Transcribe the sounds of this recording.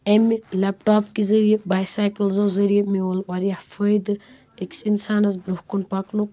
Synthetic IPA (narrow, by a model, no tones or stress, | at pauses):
emilepʈaːpkizɐɾijebaːjsaːjkɐlzɐwzɐɾijɐmiolʋɐɾjafʰəjd̪ɨ | eksinsaːnɐzbɾuhkunpɐknuk